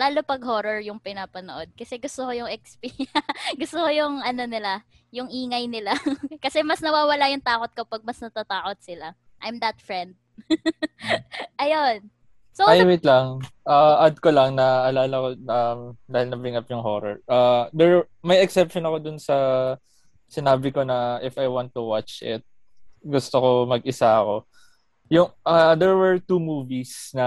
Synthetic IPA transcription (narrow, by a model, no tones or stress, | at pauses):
laːlo̞pɐɡɦoɾoɹjʊŋpɪnaːpɐnoʔo̞d̪̚kɐsɛɡʊst̪okojʊŋʔɛkspiɡʊst̪okojʊŋʔɐno̞nɪla | jʊŋʔiːŋɐjnɪlakɐsɛmɐsnɐwaːwɐlajʊŋt̪aːko̞t̪̚ko̞pɐɡ̚mɐsnɐt̪at̪aːko̞t̪̚sɪla | ʔajmd̪ɐt̪̚fɹɛnd̪̚ | ʔɐjon | soajwɪt̪lɐŋʔaʔɐd̪̚kolɐŋnɐʔɐlaːlɐkoɐmd̪aːhɪlnɐbɹɪŋɐpjʊŋɦo̰ɾɐ̰ɹʔad̪ɛɹ | mɐjɛksɛpʃonɐko̞d̪ʊnsɐ | sɪnaːbɪko̞nɐʔɪfɐjwant̪ːuwat͡ʃʔɪ̰t̪̚ | ɡʊst̪oko̞mɐɡʔɪsaɐko̞ | jʊŋʔad̪ɛɹwɛɹt̪uːmuːvisnɐ